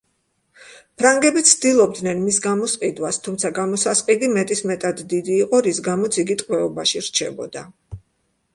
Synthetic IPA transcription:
pʰɾaŋɡɛbit̪sʰd̪ilˠɔb̚d̪nɛnmisɡamɔsqʼid̪wast̪ʰumt̪sʰaɡamɔsasqʼid̪imɛt̪ʼismɛt̪ʼad̪ːid̪iːqʼɔɾisɡamɔt̪sʰiɡit̪ʼqʼwɛɔbaʃiɾt͡ʃʰɛ̰bɔ̰d̪a

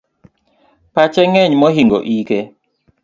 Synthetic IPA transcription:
pat͡ʃɛŋɛɲmɔɦiŋɡɔ̰ʔikɛ

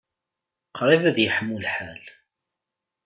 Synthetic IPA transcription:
qʰɾˤivæðjəħəmːulħal

